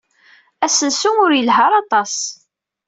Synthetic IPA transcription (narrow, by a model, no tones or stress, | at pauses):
æsənsuŋʊɾjəlɦəɾˤɑt̪ˤɑs